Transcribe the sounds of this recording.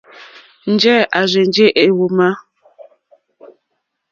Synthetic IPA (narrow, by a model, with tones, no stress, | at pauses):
n̩˨˦d͡ʒɛ˦ʔa˨ze˨n˦d͡ʒe˦ʔe˨˦˨wo˨ma˦